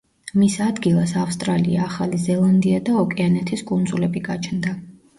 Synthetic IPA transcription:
misad̪ɡilˠasafst̪ʼɾaliaːχalizɛlˠand̪iad̪aɔkʼɛanɛt̪ʰiskʼund̪zulɛbiɡat͡ʃʰnd̪a

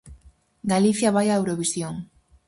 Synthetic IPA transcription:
ɡaliθjaβajaewɾoβisjoŋ

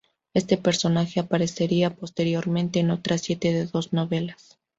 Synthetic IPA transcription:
e̞st̪e̞pe̞ɾso̞naxe̞apaɾe̞se̞ɾiapo̞st̪e̞ɾjo̞ɾmẽ̞nt̪e̞ːno̞t̪ɾasje̞t̪e̞ðe̞ðo̞zno̞βe̞las

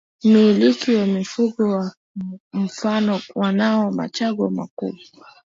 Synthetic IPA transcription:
milikiwamifuɡɔwa | m̩fanɔwanaɔma̰t͡ʃaɡɔma̰kṵbɔ

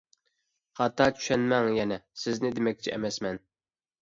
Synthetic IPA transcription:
χɑt̪ːɑːt͡ʃʰy̥ʃɛnmɛŋjɛnɛsɪznɪd̪emɛk̚ʲt͡ʃʰiʔɛ̰mɛsmɛn

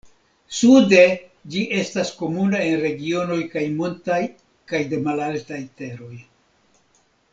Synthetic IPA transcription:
sude̞ | d͡ʒiʔe̞stasko̞munae̞nɾe̞ɡio̞no̞jkajmo̞ntaj | kajde̞malaltajte̞ɾo̞j

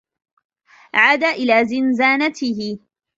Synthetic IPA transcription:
ʕaːd̪aːʔɪlaːzɪnzaːnat̪ɪhɪ

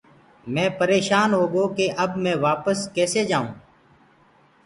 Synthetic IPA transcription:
mɛ̃ːpəɾeːʃaːnɦoːɡoːkeːʔəbmɛ̃ːʋaːpəskɛːseːd͡ʒaːũː

